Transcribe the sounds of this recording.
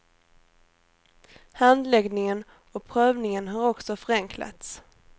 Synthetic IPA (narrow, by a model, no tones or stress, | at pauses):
hand̪lɛɡnɪŋən | ɔpʰɾøːvnɪŋənɦaɾɔksɔfœɾɛŋkʰla̰t̪s